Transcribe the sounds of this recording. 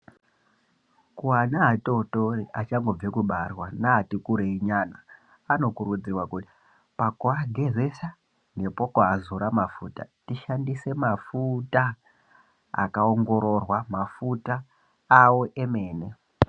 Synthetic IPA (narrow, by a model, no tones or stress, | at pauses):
kuanaɦatotoriʔat͡ʃaŋɡo̞b͡vekuɓarwanaɦatikuɾeiɲanaː | no̞kuɾud͡zirwakuti | pakuaɡʱe̞ze̞sa | ŋɡe̞po̞kuazuɾamafuta̰tiʃandise̞mafuta | a̰kaoŋɡo̞ɾo̞rwamafutaː | wo̞ʔe̞me̞ːne̞